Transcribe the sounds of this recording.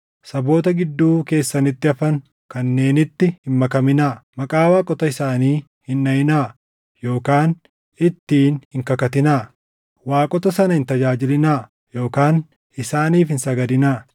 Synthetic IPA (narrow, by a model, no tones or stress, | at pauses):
sɐbo̞ːt̪ɐɡɪd̪ːuːke̞ːsːɐnɪt̪ːɪɐfɐŋ | kɐnːe̞ːnɪt̪ːɪhɪnmɐkɐmɪnaːmɐkʼaːwaːkʼɔt̪ɐɪsaːniː | hɪnːɐjɪnaː | jo̞ːkaːn | ɪt̪ːiːnhɪŋkɐkɐt̪ɪnaː | waːkʼɔt̪ɐsɐnɐhɪnt̪ɐd͡ʒaːd͡ʒɪlɪnaː | jo̞ːkaːn | ɪsaːniːfhɪnsɐɡɐd̪ɪnaː